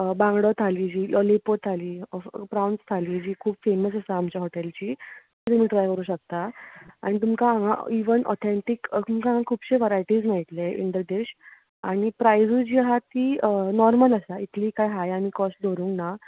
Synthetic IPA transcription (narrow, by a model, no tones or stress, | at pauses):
bãŋɡɽɔt̪ʰaliːd͡ʑiːlʔɔlepot̪ʰaliːpɾawnst̪ʰaliːd͡ʑiːkʰuːbfeməsəsaːmt͡ɕjaɦoʈɛlt͡ɕiː | t̪um̤iːʈɾajkəɾuːɕək̚t̪aaɽ̃it̪̬umkaːŋa̰iʋənʔɔ̰t̪ʰɛɳʈikt̪umkaãŋãkʰuːbɕeʋəɾajʈiːd͡zmait̪leḭnd̪əd̪eɕ | aɽ̃ipɾajd͡zud͡ʑiːɦat̪iːənɔɾmələsait̪liːkajɦajamikɔsʈ̚d̪ʱoɾũːŋkna